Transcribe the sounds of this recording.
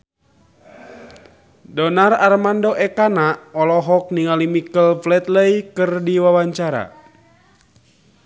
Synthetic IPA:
dɔnararmandoʔɛkanaʔɔlɔɦɔk̚niŋalimikəlflɛt̪̚ləikərdiwawaɲt͡ʃaɾa̰

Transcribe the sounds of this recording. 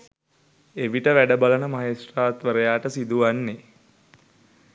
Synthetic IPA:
eʋiʈəʋæɖəbalənəmaɦesraːt̪ʋəɾəjaːʈəsid̪uʋanːe

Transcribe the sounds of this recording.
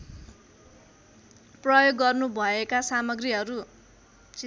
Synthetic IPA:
prʌjoɡːʌrnubʱʌekasamʌɡriɦʌɾu | t͡si

